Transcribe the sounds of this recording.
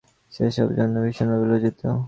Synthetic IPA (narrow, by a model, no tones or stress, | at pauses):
ʃeʃɔ̰bd͡ʑonːobʱiʃonobilod͡ʑit̪o